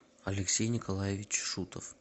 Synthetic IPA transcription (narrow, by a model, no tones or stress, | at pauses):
ɐlʲɪksʲejnʲɪkʰolˠajevʲɪt͡ɕʂut̪ə̰f